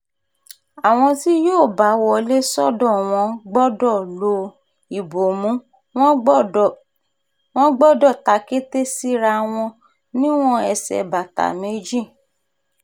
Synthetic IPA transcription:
a˨w̃ɔ̃˧ti˦joː˦˨ba˨˦wɔ˦˨le˦sɔ˦dɔ̃˦˨w̃ɔ̃˧ɡ͡bɔ˦dɔ˦˨lo˧ | i˨bo˨mũ˨˦ | w̃ɔ̃˦ | w̃ɔ̃˦ɡ͡bɔ˦˨dɔ˦˨ta˨˦ke˦te˦si˦ɾa˧w̃ɔ̃˧ | nĩ˦w̃ɔ̃˦ɛ˧˨sɛ̰˨ba˨ta̰˨me˨˦d͡ʒĩ˦˨

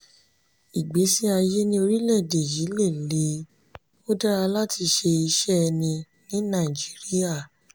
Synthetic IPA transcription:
i˨ɡ͡be˨˦si˦a˧je˦nĩ˦o˧ɾi˦lɛ˦˨de˨ji˨˦le˦˨le˨˦ | o˦da˦ɾa˧la˦tʰi˧ʃe˧i˧ʃɛ˦˧nĩ˧ | nĩ˨˦nã˦˨i˨d͡ʒi˨˦ɾi˦a˦˨

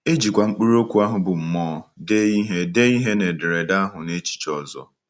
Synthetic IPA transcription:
e˦d͡ʒi˨kʷa˨ŋ͡m̩˦k͡pi˦ɾo˦kʷu˨˦a˦ɦʊ˨bʊ˨m̩˨mɔː˦de˦i˦ɦe˦de˦i˦ɦe˦ne˨dɪ˨ɾe˨da˦ɦʊ˨ne˦t͡ʃi̥˨t͡ʃɔ˨zɔ̰˨

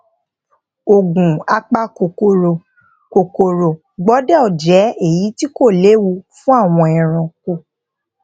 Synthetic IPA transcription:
o˨ɡũ˨a˧k͡pa˦ko˨ko˨ɾo˨ | ko˨ko˨ɾo˨ | ɡ͡bɔ˨˦dɛ˦ɔ˨d͡ʒɛ˨˦e˦˨ji˨˦ti˦ko˦˨le˨˦wu˧fũ˦a˦˨w̃ɔ̃˧ɛ˨ɾ̃ɔ̃˨ko˨

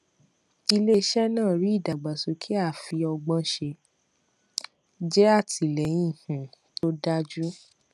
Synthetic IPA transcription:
i˧le˦ʃɛ˦nãː˦˨ɾi˨˦i˦˨da˨ɡ͡ba˨su˨˦kʰi˦a˦˨fi˧ɔ˧ɡ͡bɔ̃˧ʃe˧ | d͡ʒɛ˦a˦˨ti˨lɛ˨˦j̃ĩ˦hũ˨ | to˦da˦d͡ʒu˦

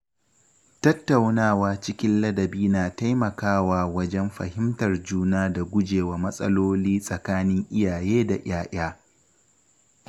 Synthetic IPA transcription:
tɐ˦tːa˨wnaː˦˨waː˨t͡ʃɪ˦kʲɪ˦nlɐ˦dɐ˨biː˦naː˨ta˦jmɐ˨kaː˦waː˨wɐ˦d͡ʒɛ˦mɸɐ̰˨hɪ˦mtɐ˨rd͡ʒuː˦naː˦da˨ɡʷʊ˦d͡ʒeː˨waː˨mɐ˦sʼɐ̰˦loː˦liː˦sʼɐ˨kaː˦nɪ˦ŋʔɪ˦jaː˨jeː˦da˨ʔj̰aː˦ʔaː˦

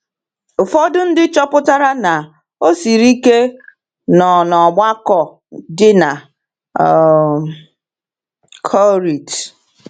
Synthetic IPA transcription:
ʊ˨fɔ˦dʊ˦n̩˦dɪ˦t͡ʃɔ˦pʊ˦ta˦ɾa˦na˨ | o˦si˨ɾi˦ke˦ | nɔ˨nɔ˨ɡ͡ba˦kɔ˨ | dɪ˦na˨ | kʰɔ˦ɾi˨t

